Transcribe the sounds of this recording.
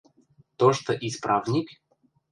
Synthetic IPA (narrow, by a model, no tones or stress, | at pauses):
t̪oʂt̪ɔʔispɾʔavnʲɪk